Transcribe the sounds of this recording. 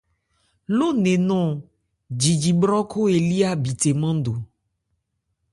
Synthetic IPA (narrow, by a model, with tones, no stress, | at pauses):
lo˦nẽ˨nɔ̃˦ | d͡ʒi˨d͡ʒi˨bɾɔ˦kʰo˦e˨li˦a˦bi˨t̪e˨mã˦ɖo˨